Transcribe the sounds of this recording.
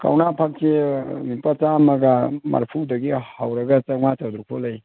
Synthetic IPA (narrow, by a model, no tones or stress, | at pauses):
ka̰wnapʰak̚semipat͡ʃamɐɡama̰ɾpʰudɐɡihawɾɐɡɐt͡ʃɐŋmat͡ʃad̪ɾupʰolɐj